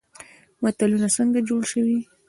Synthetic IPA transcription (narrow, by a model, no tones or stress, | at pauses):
mat̪alunasəŋɡad͡ʒoɽʃəwi